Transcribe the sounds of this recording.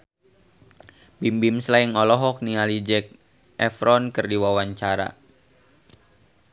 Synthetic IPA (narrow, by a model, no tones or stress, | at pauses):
bimbimslaiŋɔlɔɦɔk̚nialid͡ʒɛk̚ | ʔɛfɾɔnkɨrdiwawaɲt͡ʃaɾa̰